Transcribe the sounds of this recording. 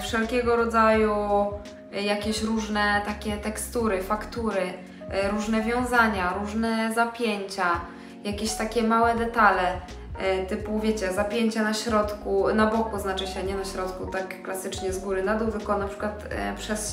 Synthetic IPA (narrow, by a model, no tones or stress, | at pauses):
fʂɛlkʲɛɡɔɾɔd̪zaju | jakʲeɕɾuʐnɛt̪akʲɛt̪ɛkst̪uɾɘfakt̪uɾɘ | ɾuʐnɛvʲjɔ̃w̃zaɲaɾuʐnɛzapʲjeɲt͡ɕa | jakʲeɕt̪akʲɛmawɛd̪ɛt̪alɛ | t̪ɘpuvʲjet͡ɕɛzapʲjeɲt͡ɕanaɕɾɔt̪kunabɔkuznat͡ʂɨɕɛɲɛnaɕɾɔt̪kut̪akːlasɘt͡ʂɲɛzɡuɾɘnad̪uvɛkɔnapʂɘ̥kwat̪pʂɛs